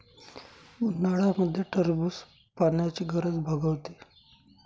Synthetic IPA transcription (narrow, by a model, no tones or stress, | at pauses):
naɽaməd̪ʱːjeʈʰəɾbuːs | paɳjat͡ɕiːɡəɾəd͡zbʱəɡəʋt̪e